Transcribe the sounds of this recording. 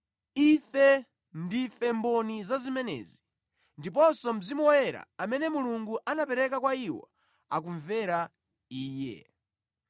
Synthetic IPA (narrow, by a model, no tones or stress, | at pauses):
ifɛ | ndifɛmbɔnizazimɛnɛ̰ːzi | ndip̬ɔsɔm̩zimuɔjɛɾa̰amɛnɛmuluŋɡuʔanapɛɾɛkakwaiwɔ̰ | a̰kuɱvɛɾa | iːjɛ̰